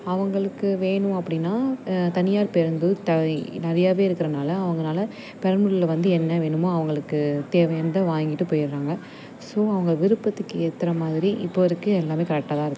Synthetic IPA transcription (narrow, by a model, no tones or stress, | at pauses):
ɐʋɐŋɡɐɭɯkːɯʋeːɳɯ̃ɐpːɐɽɪnːaːt̪ɐnɪjaːɾpɛɾɯnd̪ɯt̪ɐnɪɾɐjaːʋeːɪɾɯkːɪɾɐnaːlɐːʋɐŋɡɐnaːlɐ | pɛɾɐnmʊɭɪlɐʋɐnd̪ɯɛnːɐʋeːɳɯmoːɐʋɐŋɡɐɭɯkːɯt̪eːʋɐjɐnd̪ɐʋaːjŋɡɪʈːɯpoːjɪɾɾaːŋɡɐ | soːɐʋɐŋɡɐɭʋɪɾɯpːɐt̪ːɯkːɯɛt̪ːɪɾɐmaːðɪɾiʔɪpːoʋɐɾɯkːɯɛlːaːmeːkɐɾɛk̚ʈːaːt̪ãːɪɾɯkːɯ̥